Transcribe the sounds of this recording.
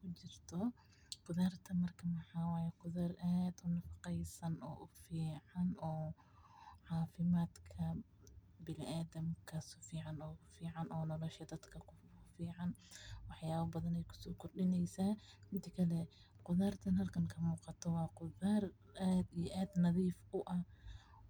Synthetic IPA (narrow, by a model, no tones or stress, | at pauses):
kʰʊt͡ʃɪrt̪ʰɔ | qʊðaːrt̪ʰɐmɐrkʰɐmɐħɑːwaːjɛqʊðarʔaːd̪ʊnɐfɑ̥qɛjsɐnɔ̰ːʔʊfiːʕɑnɔː | ʕɑːfɪmaːd̪kʰɐ | bɪlɪʔaːðɐmkʰɐsʊ̥fiːʕɑnɔːʊfiːʕɑnʔɔːnɔlɔʃjɐd̪ɐd̪kʰɐkʰʊfiːʕɑnwɑħjaːβɐbɐðɐnɛjkʰʊ̥sɔːkʰʊrɖɪnɛjsaːhɪnt̪ʰɐkʰɐlɛ | qʊðaːrt̪ʰɐnɦɐlkʰɐŋkʰɐmuːqɑt̪ʰɔwɑːqʊðaːr | ʔaːd̪ijʔaːd̪nɑðiːfʊʔɐ